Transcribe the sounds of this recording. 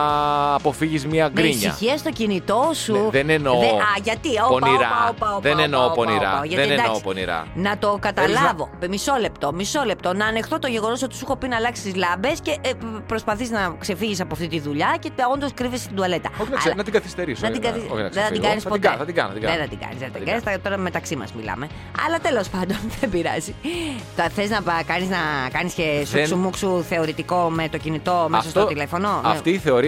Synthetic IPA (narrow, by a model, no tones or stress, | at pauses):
po̞fiʝizmɐɡmɾisɲɐ̰çiɐst̪o̞cinit̪o̞suðenenoɐʝɐt̪ioponiɾɐoɐoðenenoponiɾɐ̰ʝɐteed̪ɐosponḭɾɐ̰nɐt̪o̞kɐt̪ɐlɐvo̞miso̞le̞pt̪o̞miso̞le̞pt̪o̞nɐːne̞xt̪ot̪o̞ʝe̞ɣo̞no̞so̞t̪i̥suxo̞pinɐlɐksi̥st̪izlɐbe̞sce̞pɾo̞spɐθiznɐkse̞fiʝisɐpoɐft̪it̪iðuʎɐce̞o̞nd̪oskɾivisst̪id̪uɐle̞t̪ɐoçnɐɐnɐt̪iɡɐθist̪eɾisnɐiɡɐθiɐ̰ðeðɐiɡɐnisɐpoɐɐt̪iɡɐ̰n̰ɐt̪iɡɐðeθɐt̪iɡɐ̰nizðeɐt̪iɡɐnisɐt̪o̞ɾɐmet̪ɐksimɐ̰zmḭlɐ̰me | ɐ̰lɐt̪e̞lo̞spɐnd̪o̞nðebiɾɐ̰zit̪ɐθeznɐkɐniznɐkɐniscesssumuksuθe̞oɾit̪iko̞met̪ocinit̪o̞mesosot̪ilefo̞no̞ft̪iːθe̞oɾi